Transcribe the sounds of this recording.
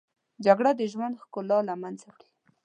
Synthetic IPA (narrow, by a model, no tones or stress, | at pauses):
d͡ʒaɡɽad̪əʒwand̪xkʊlːɑlamanzawɽi